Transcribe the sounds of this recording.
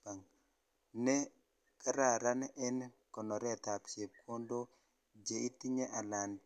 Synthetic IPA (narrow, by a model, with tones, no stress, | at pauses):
pa˨ŋ | nɛ˦ | ka˦ɾa˨ɾa˦nɛ˦nkɔ˨nɔ˨ɾɛ˦˨t̪a˨pt͡ʃe˨p̚kʰo˦ndo˦ | d͡ʒe˨i˦ti˦ɲe˦ʔa˨la˨n